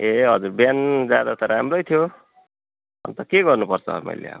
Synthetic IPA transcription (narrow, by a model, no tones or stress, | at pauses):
eɦʌd͡zurbjand͡zjad̪at̪ʌɾamrʌjt̪ʰijo | ʌ̰nt̪ʌkeɡʌrnupʌrt͡sʰʌ̰mʌ̰jlḛa̰ba